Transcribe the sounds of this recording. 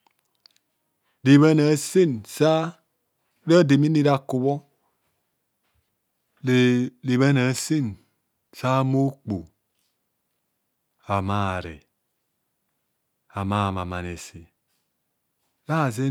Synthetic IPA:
di˨βe˦na˨si˦nsa˦ | ɾa˦di˨mi˦ni˦ɾa˨ku˨βɔ˦ | lli˨βe˦na˨si˦n | sa˦mo˦k͡pu˨ | a˨ma˦˨ɾḛ˨ | a˨ma˦˨ma˨ma˨ne˨si˨ | ɾa˦˨ze˦

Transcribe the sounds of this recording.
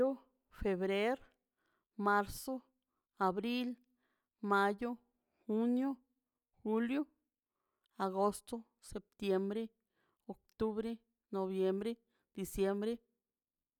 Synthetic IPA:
o˦ | fe˨βɾe˦ɾ | ma˦ɾso˦ | a˨bɾi˦l | ma˧jo˦ | xu˦njo˦ | xu˧ljo˦ | a˨ɡo˧st̪o˦ | se˨p̚t̪je˧mbɾe˦ | o˨kt̪u˦βɾe˦ | no˨βje˧mbɾe˦ | d̪̥i˨sje˧mbɾe˦

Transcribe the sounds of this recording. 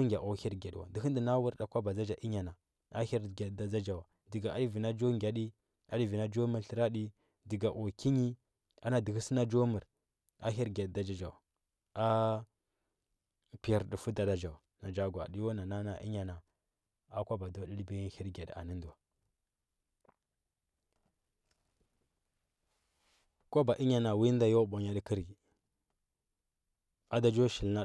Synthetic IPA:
ŋɡʲa˨ʔo˨˦hi˦ɾɡa˨dwa̰˨di˨xi˦ndi˨na˦wu˦ɾɗa˨kʷa˦ba˨d͡za˦d͡ʒa˨ʔi˦ɲa˨na˨ | a˦hi˦ɾɡa˨dda˦d͡ʒa˦d͡ʒa˨wa˨ | di˨ɡa˨a˦di˦vi˨na˦d͡ʒo˦ŋɡʲa˨ɗi˦ | a˦di˦vi˨na˦d͡ʒo˦mə˨ɾɬə˨ɾa˦ɗi˦ | di˨ɡa˨ʔo˨ki˦ɲi˦ | a˦na˨di˨xi˦si˦na˦d͡ʒo˦mə˨ɾ | a˦ɦi˦ɾɡʲa˨dda˨d͡ʒa˦d͡ʒa˨wa˨ | a˦ | pi˨a˨ɾdi˨fu˦da˨da˨d͡ʒa˨u˨na˨d͡ʒa˦ɡwa̰˨di˦jo˦na˨na˦na˨ʔḭ˦ɲa˨na˨ | a˨kʷa˦ba˨do˦di˦lbi˦hi˦ɾɡe˨da̰˨nə˦ndu˨wa˨ | ko˦ba˨ʔi˦ɲa˨na˨wi˦nda˦jo˦bo˨ɲa˦di˦ki˦ɾi˨ | a˦da˦d͡ʒo˦ʃi˨lna˦

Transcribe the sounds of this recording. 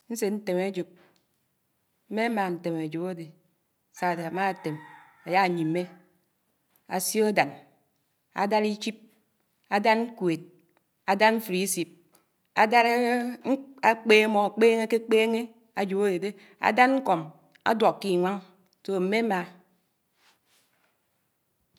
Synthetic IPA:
n̩˦se˨tn̩˦te˨me˦d͡ʒu˨p̚ | m̩˦me˦ma˨n̩˨te˨m˨a˨d͡ʒu˨bo˦de˨ | sa˨de˨a˨ma˦˨te˨m | a˨ja˦a˨ɲi˨m˨mːe˦ | a̰˨si˦o˦da˨n | a̰˨da˦ɾi˦t͡ʃi˦p̚ | a˨da˦nŋ̩˦kwe˨t̚ | a˨da˦nɱ̩˦fɾi˨˦si˨p̚ | a˨da˦ɾe˦ | a˦k͡peː˦mo˨a˨k͡peː˦ŋe˦ke˦k͡peː˦ŋe˦ | a˨d͡ʒo˨ba˦de˨de˦ | a̰˨da˦nŋ̩˦ko˨m | a̰˦dwo˨kkːi˦˨ŋʷa˦ŋ | so˨m̩˨me˦ma˨

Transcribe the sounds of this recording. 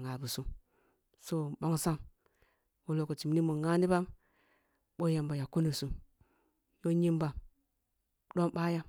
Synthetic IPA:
ŋa˨bu˨su˦ | so˦˨bo˦ŋsa˦ŋ | wo˨lo˨ko˨t͡ʃi˨m˨ni˦mo˨ŋa˦ni˦ba˦m | ɓo˦je˨mba˨ja˨ku˦nu˨su˨ | jo˦ɲi˦mba˨ | ɗo˦mba˦ja˦

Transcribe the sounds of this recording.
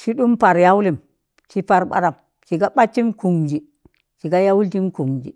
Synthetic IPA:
t͡ʃi˦ɗu˦mpa˨ɾja˦wli˦˨m | t͡ʃi˦pa˨ɾɓa̰˦ɾa˨m | t͡ʃi˨ɡa˦ɓa˦t͡ʃːi˦mku˨ŋd͡ʒi˨ | t͡ʃi˨ɡa˦ja˦wu˦lti˦mku˨ŋd͡ʒḭ˨

